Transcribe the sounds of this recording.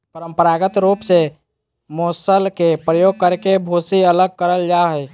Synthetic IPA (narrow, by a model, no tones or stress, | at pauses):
pəɾəmpəɾaɡət̪ɾupse | moːsəlkepɾəjoɡ̚kəɾkebʱosiələɡ̚kəɾəld͡ʒaɦəj